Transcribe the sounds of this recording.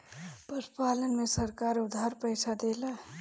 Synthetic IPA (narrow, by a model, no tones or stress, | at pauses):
pəspaːlənmesəɾkaːɾʊd̪ʱaɾpəjsʰad̪eːla